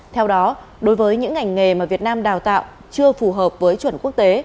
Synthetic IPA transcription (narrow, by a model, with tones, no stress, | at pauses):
t̪ʰɛ˧wɗɔ˨˦ | ɗo˨˦jvəː˨˦jɲɨ̰˧˥ŋːa˨˩jŋ̟ːŋe˨˩maː˨˩vi˨˩ət̚naː˧mɗaː˨˩wt̪a̰ː˧˨w | t͡ɕɨ˧əfu˨˩ɦəː˨˩p̚vəː˨˦jt͡ɕwə˧˩nku˦˥ək̚t̪e˨˦